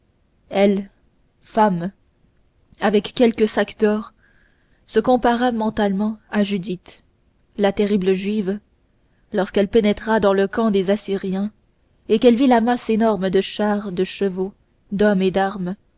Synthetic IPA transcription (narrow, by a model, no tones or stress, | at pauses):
ɛl | fam | avɛkːɛlkəsakd̪ɔʁ | səkɔ̃paʁamɑ̃t̪almɑ̃aʒyd̪it̪ | lat̪eʁibləʒɥiv | lɔʁskɛlpenɛt̪χad̪ɑ̃ləkɑ̃d̪ezasiʁjɛ̃ | ekɛlvilamasenɔʁməd̪əʃaʁd̪əʃəvo | d̪ɔmed̪aʁm